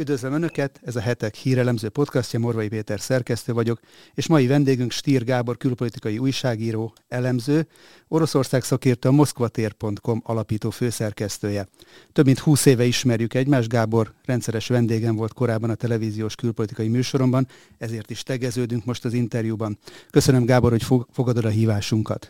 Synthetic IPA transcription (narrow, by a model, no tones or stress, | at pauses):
yd̪vøzlømønø̞kɛt̪ɛzɒɦɛt̪ɛkhiːɾɛlɛmzøːpo̞t̪kɒscɒmo̞rvɒjipeːt̪ɛrsɛrkɛst̪øːvɒɟo̞k | eːʃmɒjivɛnd̪eːɡyŋkʃt̪iːrɡaːbo̞rkylpo̞lit̪ikɒjiuːjʃaːɡiːɾoː | ɛlɛmzøː | o̞ɾo̞so̞rsaːksɒkeːrt̪øɒmo̞skʋɒt̪eːrpo̞nt̪ko̞mɒlɒpiːt̪oːføːsɛrkɛst̪øːjɛ | t̪ø̞bmint̪huːseːvɛiʃmɛrjykɛɟmaːʒɡaːbo̞rːɛnt̪sɛɾɛʃʋɛnd̪eːɡɛɱvo̞lt̪ko̞ɾaːbːɒnɒt̪ɛlɛviːzijoːʃkylpo̞lit̪ikɒjimyːʃo̞ɾo̞mbɒn | ɛzeːrt̪iʃt̪ɛɡɛzøːd̪yŋkmo̞ʃt̪ɒzint̪ɛrjubɒnkø̞sønømɡaːbo̞rho̞cfo̞ɡɒd̪o̞d̪ɒɦiːvaːʃuŋkɒ̰t̪